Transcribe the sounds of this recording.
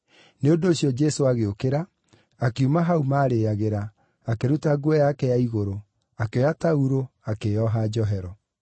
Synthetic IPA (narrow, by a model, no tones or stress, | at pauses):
neodoːɕjɔd͡ʒɛsoaɣeokeɾaː | keumaɦaumaːɾejaɣeɾaː | keɾutaɡwɛjakɛjaiɣoɾo | akeɔjatauɾoakejɔɦad͡ʒɔɦɛɾɔ